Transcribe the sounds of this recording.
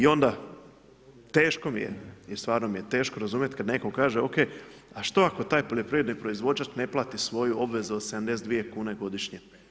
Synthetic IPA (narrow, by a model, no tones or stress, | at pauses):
io̞nd̪a | t̪e̞ːʃko̞mijḛist̪ʋaːɾno̞mije̞t̪e̞ːʃkoɾazuːmjet̪kad̪ne̞ko̞kaːʒeo̞ke̞ːaʃt̪o̞ako̞t̪aːjpo̞ʎo̞pɾiʋed̪nipɾo̞izʋo̞d͡ʒat͡ʃne̞plˠaːt̪isʋo̞juo̞bʋe̞zuod̪sed̪amnd̪e̞s̬d̪ʋije̞kuːneɡo̞d̪iʃɲe